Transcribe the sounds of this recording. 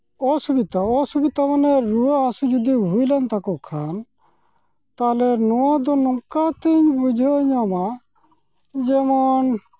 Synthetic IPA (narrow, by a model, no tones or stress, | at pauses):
ɔsubit̪aɔsubit̪amanɛɾuaːsud͡ʒud̪iɦujlant̪akɔkʰan | t̪alɛnɔwad̪ɔnɔŋkat̪iɲbud͡ʒʱɔɲɔma | d͡ʒɛmɔn